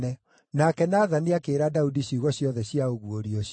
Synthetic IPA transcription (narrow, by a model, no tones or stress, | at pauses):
ɛ | nakɛnaːðaniakeːɾadaudiɕiɣɔɕiɔðɛɕiaoɣuoɾiɔɕ